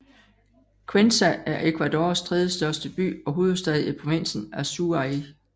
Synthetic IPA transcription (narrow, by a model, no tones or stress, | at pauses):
kʰwensææɐʔe̝kʰʋæd̥o̝̰ːɐst͡sʰʁeðˠjəsd̥ɶɐsd̥əb̥y̰ːɒ̽ɦo̝ːð̩ˠsd̥ɛð̞ˠipʰʁo̝ʋin̰sn̩æɐsuɑi